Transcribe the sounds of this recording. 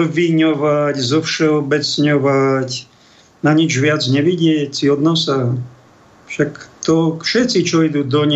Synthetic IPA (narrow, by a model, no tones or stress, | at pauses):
ʋiɲɔʋaczɔfʃɛɔbɛt͡sɲɔʋac | naɲid͡ʒʋɪad͡zɲɛʋiɟɪɛcsiɔd̪nɔsa | fʃakt̪ɔfʃɛt̪t͡sit͡ʃɔid̪uːd̪ɔɲ